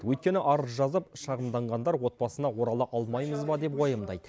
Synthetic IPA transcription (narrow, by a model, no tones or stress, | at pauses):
əwɵjt̪̚kʲe̞nɪʔɑɾəzʒɑzəpʃɑʁəmd̪ɑɴʁɑnd̪ɑɾwo̞t̪̚bɑsənɑwo̞ɾɑlˠəʔɑlˠmɑjməzbɑd̪e̞pwojəmd̪ɑ̰jd̪ə